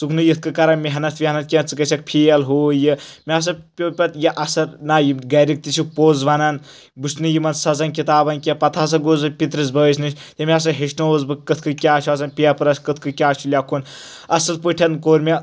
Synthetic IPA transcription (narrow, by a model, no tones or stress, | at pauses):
sukʰnɨjɨt̪̚ʰkɨkɐɾɐnmiɦɐnɐt̪ʰʋiɦɐnɐt̪̚kʲɐnt͡sɨkɐsʲɐk̚pʰijɐlɦoːjɨmʲias̬ɐpʲopʲɐt̪jɐʔɐsɐɾnajiɡɐɾik̚t̪isʰupoːzʋɐnɐn | busnɨjimɐnsɐzɐnkit̪aːbɐnkʲɐpɐt̪ʰaːs̬ɐɡoːzɐpʲit̪ɾɐs̬bəːsʰʲnɨt͡ʃʲ | t̪emʲias̬ɐɦeʃnooːzbɨkɐt̪ʰkɨkʲaːt͡ʃʰuɐs̬ɐnpʲiɐpɨɾɐskɨt̪ʰkɨkʲaːt͡ʃʰulʲakʰun | ɐsɐlpəʈʰɐnkoːɾmʲɐ